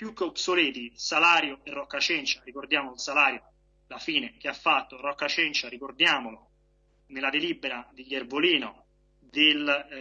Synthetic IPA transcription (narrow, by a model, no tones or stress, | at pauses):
pjukːopsolɛːt̪isalaːɾjoɛrːɔkːat͡ʃɛnt͡ʃarikord̪jaːmoilsalaːɾjo | lafiːnek̟eafːat̪ːorɔkːat͡ʃɛnt͡ʃaɾikord̪jaːmolo | nelːad̪elibːeɾad̪iɡerboliːno | d̪el